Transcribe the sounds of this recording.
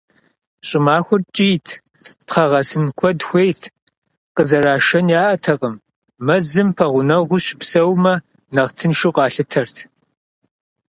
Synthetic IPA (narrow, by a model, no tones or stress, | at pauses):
ɕʼɪmaːxʷʊrt͡ʃʼiːtʰ | pχɐʁɐsɨnkʷʰɔdxʷejtʰ | qəzɐɾaːʃɐnjaːʔɐtʰɐqʼəm | mɐzɨmpʰɐʁʷʊnɐʁʷʊɕpsɐwmɐ | nɐʁtʰɨnʃɪqʷʼɑːɬɨtʰɐrtʰ